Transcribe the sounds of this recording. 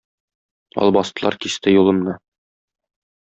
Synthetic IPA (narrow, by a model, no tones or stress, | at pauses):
ɒ̰lˠbɒst̪ɤ̆lˠɑ̰ɾkist̪ɘjulˠɤ̆mnɤ